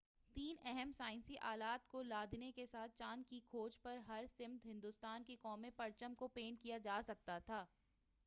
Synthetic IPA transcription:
t̪iːnɛɦɛmsaːɪ̃nsiʔaːlaːt̪kolaːd̪nekesaːt̪̚ʰt͡ʃaːnkikʰoːd͡ʒpɐɾɦɐɾsɪ̃mt̪ɦɪ̃nd̪ʊst̪aːnkekɔːmepɐɾt͡ʃəmkopeːɳʈkijad͡ʒaːsɐk̚t̪at̪ʰaː

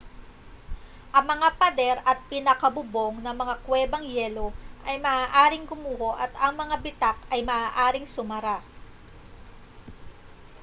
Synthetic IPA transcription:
ʔɐŋmɐŋapɐd̪ɛɾɐt̪̚pɪnɐkɐbʊbo̞ŋnɐŋmɐŋakwɛːbɐŋjɛlo̞ʔɐjmɐaːʔaːɾɪŋɡʊmuːhoʔɐt̪ɐŋmɐŋabɪt̪ak̚ɐjmɐʔaːʔaːɾɪŋsʊmɐɾa

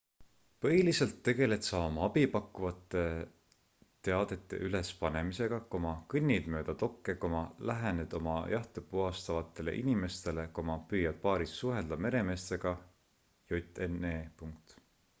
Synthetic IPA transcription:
pɤɦiliselt̪ːe̞ɡe̞le̞t̪sɑːmɑɑbipɑkːuvɑt̪ːˑe̞ | t̪e̞ɑd̪̥e̞t̪ˑːe̞̰ʔyle̞spɑne̞mise̞ɡ̥ɑkomɑkɯnʲːid̪̥mø̞ːd̪̥ɑt̪o̞kːekomɑlæɦæned̪̥o̞mɑ̰jɑht̪epuɑst̪ɑvɑt̪ːˑe̞le̞̰ʔinime̞st̪e̞lekomɑpyːjːɑd̪̥̚pɑːɾisːuɦeld̪̥ɑme̞ɾe̞me̞ːst̪e̞ɡ̥ɑ | jut̪ːˑeneːpuŋk̚t̪

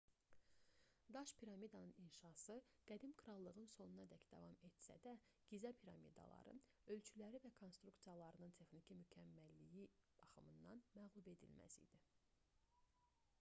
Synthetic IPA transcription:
d̪ɑʃpʰiɾɑmid̪ɑnɯninʃɑsɯɡ̥æd̪imkʰɾɑlˠːɯʁɯnso̞nunɑd̪æcd̪ɑ̰vɑmet̪sæ̰d̪æ | ɡ̥izɑpʰiɾɑmḭd̪ɑ̰lˠɑ̰ɾɯ̰nø̞lt͡ʃʰylæɾivækʰo̞nst̪ɾukt̪sijɑlˠɑɾɯnɯnt̪ʰe̞xnicʰimycʰæmːælːijib̥ɑχɯmɯnd̪ɑnmæɣlˠube̞d̪ḭlmæ̰sḭd̪̥i

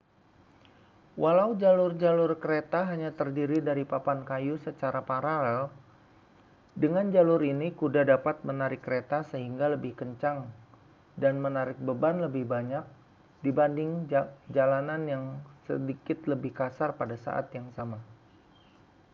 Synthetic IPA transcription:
wʔalaud͡ʒalʊrd͡ʒalʊrkəɾet̪aɦaɲat̪ərdiɾidaɾipapankajusət͡ʃaɾapaɾal | dəŋand͡ʒalʊrinikudahdapat̪̚mənaɾɪkːəɾet̪asəɦiŋɡaləbɪhkəɲt͡ʃaŋ | danmənaɾɪk̚bəbanləbɪhbaɲak̚ | dibandɪŋd͡ʒalananjaŋsə̰dikɪt̪ləbɪhkasarpadasa̰ʔa̰t̪jaŋsama

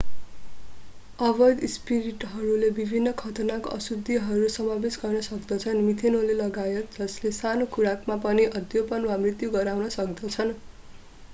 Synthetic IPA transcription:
ʌbʌd̪spiɾiʈɦʌɾulebibʱinːʌkʰʌt̪onako̰ʔʌsud̪ʱːiɦʌɾusʌmabesɡʌrnʌsʌkd̪ʌt͡sʰʌnmit̪ʰenolelʌɡajʌt̪̚d͡zʌslesanokuɾakmapʌniʔʌd̪jopʌnwamrit̪juɡʌɾawnʌsʌk̚d̪ʌt͡sʰʌn

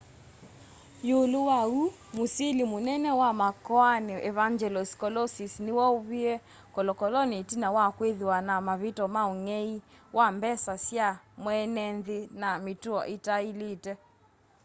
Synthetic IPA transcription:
joluwau | musilimunɛnɛwamakɔaniʔɛvaŋd͡ʒɛlɔskɔlɔsisniwɔuβiɛ | kɔlɔkɔlɔnitinawakweðiwanamaβitɔmaoŋɛiwʔambɛsasjamwɛnɛnðinamituɔ̰ʔitailitɛ

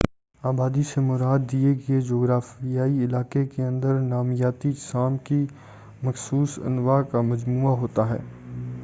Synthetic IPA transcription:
aːbaːd̪isemʊɾaːd̪ːieɡed͡ʒoːɡɾaːfijaːiɪlaːkekeɐ̃nd̪əɾnaːmɪjaːt̪iʃaːmki | mɐxsuːsɐ̰nʋakamɐd͡ʒmuːaɦoːt̪aɦɛ̰ː

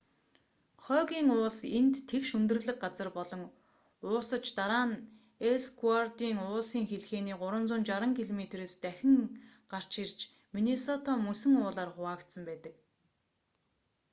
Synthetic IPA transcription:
χœːɣʲiːŋʊːɮsent̪ʰːekʃɵnt̪ɵ̆rɮɘ̆k̚ɢat͡sə̆rpɔɮɞ̆ŋ | ʊːsə̆t͡ɕt̪aɾaːn | esɡwart̪iːŋʊːɮsiːŋxeɮxeːniːɢʊɾə̆nt͡sʊːnt͡ɕaɾə̆ŋkʰiɮɔmet̪reːst̪æxʲɪ̆ŋ | ɢar̥t͡ɕirt͡ɕ | minesɔt̪ʰɔmɵsɘ̆ŋʊːɮaːrχʊaːkt̪sə̆mpæːt̪ə̆k̚

